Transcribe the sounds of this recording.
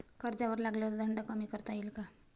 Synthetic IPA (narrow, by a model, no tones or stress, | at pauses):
kəɾd͡zaʋəɾlaɡləd̪ʱəɳɖəkəmiːkəɾt̪ailka